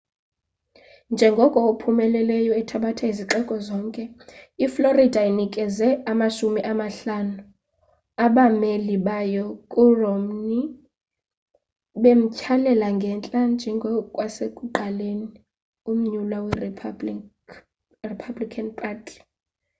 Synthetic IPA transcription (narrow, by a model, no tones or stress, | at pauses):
nd͡ʒʱɛŋɡʱɔkʼɔupʰumɛlɛlɛjɔɛtʰaɓatʰaiziǁɛkʼɔzɔːŋkʼɛifloridʱainikʼɛzɛamaʃumiʔamaɬanu | aɓameliɓajɔkʼurom̩ni | ɓem̩cʰalɛlaŋɡʱɛnt͡ɬʼand͡ʒʱɛŋɡʱɔkʼwasekʼuǃaleni | um̩ɲulwawɛ | ripʰablikʰanpʰʼaːtʰʼi̥